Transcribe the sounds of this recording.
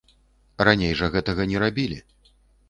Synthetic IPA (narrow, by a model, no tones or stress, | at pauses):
ranʲejʐɐɣɛt̪ɐɣɐnʲɛɾabʲilʲi